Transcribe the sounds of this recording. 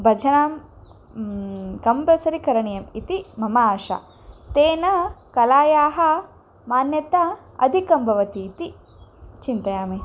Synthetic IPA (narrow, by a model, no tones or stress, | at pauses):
bʱɐd͡ʒʱɐnaːm | kɐmbɐsɐɾikɐɾɐɳijɐmit̪imɐmɐaːʂa̰ | t̪eːnɐkɐlaːjaːɦɐ | maːnjɐt̪a | ɐ̰d̪ʱikɐmbʱɐʋɐt̪iːt̪i | t͡ʃint̪ɐjaːmeː